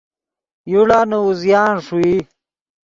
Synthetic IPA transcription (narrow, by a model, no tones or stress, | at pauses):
juɽaːnouzjaːnʂui